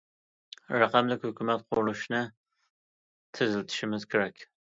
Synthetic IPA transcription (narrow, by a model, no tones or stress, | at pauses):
rɑqɑmlɪkʲhʊkʲʰumɛt̪̚qʰonuʃnɨ | t̪ʰɨzɪlt̪ʰɪ̥ʃɪmɪzkʲʰeɾɛkʲ